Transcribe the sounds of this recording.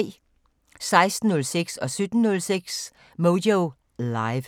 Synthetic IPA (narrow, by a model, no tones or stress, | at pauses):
sɑ̈ɪsd̥n̩nɔ̽lseɡ̥sɒ̽sød̥n̩ːɔlseɡ̥s | modoʊ | lɑɪʋ